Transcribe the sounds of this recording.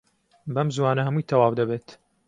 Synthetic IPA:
bɐmzwaːnɐhɐmujt̪ʰɐwaːwd̪ɐbeːt̪

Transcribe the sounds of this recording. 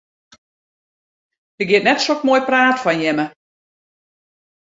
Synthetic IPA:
d̥əɡiɪətnɛtsokmoːjpraːtfɔnjɛmə

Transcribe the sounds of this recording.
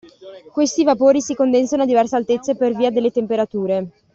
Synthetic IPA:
kwest̪ivapoːɾisikond̪ensanoad̪ːivɛrsealt̪et̪sːeperviːad̪elːet̪empeɾat̪uːɾe

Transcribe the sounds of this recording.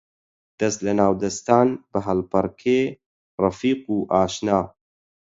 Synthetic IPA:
d̪̥ɐst̪lɐnaːwd̪ɐst̪aːnbɨɦɐlpɐɾkʰeː | rɑfiːquːʔaːʃnaː

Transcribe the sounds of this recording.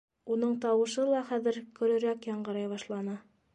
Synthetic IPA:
unɤɴt̪ɑwɤ̆ʃɤlˠɑχæðɘ̆ɾkɵ̆ɾɵ̆ɾækjɑɴɢɤ̆ɾɑjβɑʃlˠɑnɤ

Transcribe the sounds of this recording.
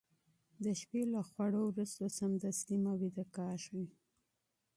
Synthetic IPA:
d̪əʃpelaxwaɽowɾust̪osamd̪ast̪imawid̪əkɑɾʃwi

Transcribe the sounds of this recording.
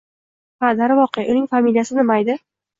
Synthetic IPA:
qad̪aɾɪvɒqejaʔʊnɪŋfamilʲijasɪnɪmajd̪ɪ

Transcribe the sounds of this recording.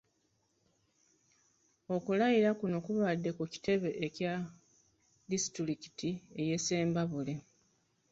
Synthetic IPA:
o̞kulajiɾakuno̞kuβadːe̞kuci̥te̞βe̞ʔeca | disi̥tiɾiki̥tieje̞se̞ːmbaβule̞

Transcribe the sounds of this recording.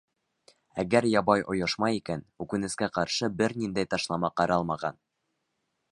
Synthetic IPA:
æɡæɾjɑbɑjʔŏjɤʃmɑjikænʉkɘ̆nɘ̆skæqɑɾʃɤbɘɾnind̪æjt̪ɑʃlˠɑmɑqɑɾɑlˠmɑʁɑ̰n

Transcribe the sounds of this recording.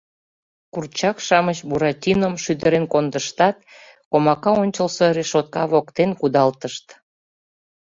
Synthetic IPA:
kurt͡ɕɑkʃɑmət͡ɕbuɾɑtʲinəmʃyd̪əɾenkond̪əʃt̪ɑt̪̚ | komɑkɑonʲt͡ɕəlsoɾeʃot̪̚kɑβokt̪enkud̪ɑlt̪əʃt̪

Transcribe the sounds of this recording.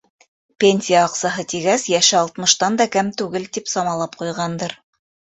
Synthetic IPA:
pʲenʲsʲijaːqsɑɦɤt̪iɡæsjæʃɘɑlˠt̪mɤ̆ʃt̪ɑnd̪ɑkɘmt̪ʉɡɘlt̪ipsɑmɑlˠɑp̚qujʁɑnd̪ɤɾ

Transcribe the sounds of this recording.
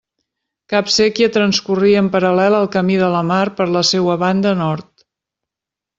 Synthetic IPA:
kapsɛkjət̪ɾənskuriəmpəɾəlɛləlˠkəmiðələmaɾpəɾləsewəβand̪ənɔɾt̪

